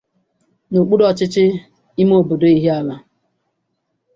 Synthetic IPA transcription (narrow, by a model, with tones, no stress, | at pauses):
no˨k͡pu˦dɔ˦t͡ʃɪ˦t͡ʃɪ˦ | i˦mo˦˨bo˨do˦i˦ɦi˦a˦la˦